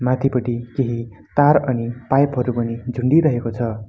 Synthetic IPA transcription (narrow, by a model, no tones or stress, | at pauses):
mat̪ʰipʌʈikeɦi | t̪aɾʌnipajpɦʌɾupʌnid͡zʱuɳɖiɾʌɦekot͡sʰʌ